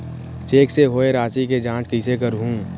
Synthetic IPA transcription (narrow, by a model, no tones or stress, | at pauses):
t͡ʃeːkseɦoːeɾaːt͡ʃiked͡ʒãːt͡ʃkiɪsek̬əɾɦũː